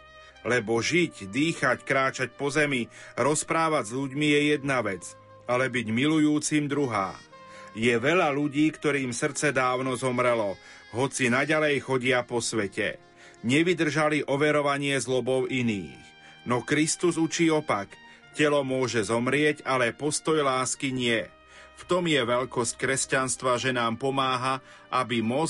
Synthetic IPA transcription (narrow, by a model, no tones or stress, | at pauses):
lɛbɔʒiɟd̪iːxackɾaːt͡ʃac̚pɔzɛmiɾɔspɾaːʋaɟzʎuɟmijɛjɛd̪naʋɛt͡s | alɛbiɟmilujuːt͡simd̪ɾuɦa̰ː | jɛʋɛʎaluɟiːkt̪ɔɾiːmsr̩t͡sɛd̪aːʊnɔzɔmɾɛlɔ | ɦɔt͡sinaɟalɛjxɔɟɪapɔsʋɛcɛ̰ | ɲɛʋid̪r̩ʒaliʔɔʋɛɾɔʋaɲɪɛzlɔbɔʊʔinḭːx | nɔkɾist̪uzut͡ʃiːɔpak | cɛlɔmʊɔʒɛzɔmɾɪɛɟalɛpɔst̪ɔjlaːskiɲɪɛ | ft̪ɔmjɛʋɛʎkɔsc̚kɾɛscanst̪ʋaʒɛnaːmpɔmaːɦa | ʔabimɔ